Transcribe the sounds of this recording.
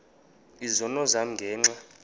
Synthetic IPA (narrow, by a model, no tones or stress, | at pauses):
izɔnɔzam̩ŋɡʱɛːŋ͡ǀa